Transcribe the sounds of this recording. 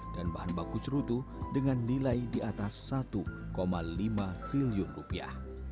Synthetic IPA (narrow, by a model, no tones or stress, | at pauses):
d̥anbaɦanbakut͡ʃɾut̪udəŋanːilajdiat̪asːat̪u | komalimat̪ɾiliʊnrupia̰h